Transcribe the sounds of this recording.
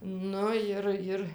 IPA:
ˈnʊ ɪr ˈɪr

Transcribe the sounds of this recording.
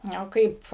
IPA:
ˈnʲoː ˈkɐɪp

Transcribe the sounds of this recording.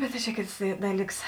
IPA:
ˈbʲɛt tɐ t͡ʃʲɛ ˈkʲeːts ˈdɑːˌlʲiːks

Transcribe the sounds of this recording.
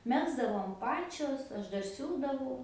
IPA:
ˈmʲæːɡzdɐʋoːm ˈpɑːt͡ʃʲoːs ˈɐʃ ˈdɐr ˈsʲuːdɐʋɐʊ

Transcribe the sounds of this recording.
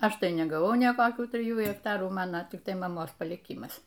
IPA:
ˈɐʃ ˈtɐɪ nʲɛɡɐˈʋɐʊ nʲeː koːˈkʲuː tʲrʲɪˈjuː ɣʲɛkˈtɑːruː ˈmɑːnɐ tʲɪkˈtɐɪ mɐˈmoːs pɐlʲiːˈkʲɪmɐs

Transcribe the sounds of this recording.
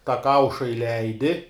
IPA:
tɑː ˈkɐʊʃɐ ɪˈlʲɛɪdʲɪ

